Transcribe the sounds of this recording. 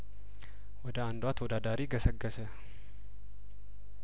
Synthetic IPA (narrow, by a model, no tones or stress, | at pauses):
wɐd̪aːnd̪ʊaːt̪ʰɔd̪aːd̪aːɾiːɡɐsɐɡːɐsɛ